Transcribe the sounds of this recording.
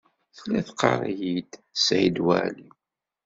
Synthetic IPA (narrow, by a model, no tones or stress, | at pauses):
θlæθqɑ̰ɾˤjid̪sʕid̪wæ̰li